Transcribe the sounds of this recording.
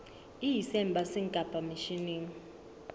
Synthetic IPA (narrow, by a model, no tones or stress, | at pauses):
iisɛmbʱasiŋkʼabʱʼamiʃiniːŋ̩